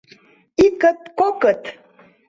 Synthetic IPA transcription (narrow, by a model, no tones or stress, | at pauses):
ikət̪kokət̪